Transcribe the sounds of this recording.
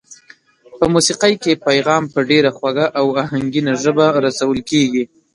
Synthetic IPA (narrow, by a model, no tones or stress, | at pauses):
pəmusiqəjkepajɣɑmpəɖeɾaxwaɡaʔawaɦaŋɡinaʒəbaɾasawəlkeɡi